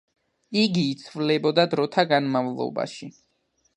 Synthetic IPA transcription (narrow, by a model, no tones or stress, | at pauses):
iɡiːt̪sʰvlɛbɔd̪ad̪ɾɔt̪ʰaɡanmavlˠɔ̰ba̰ʃi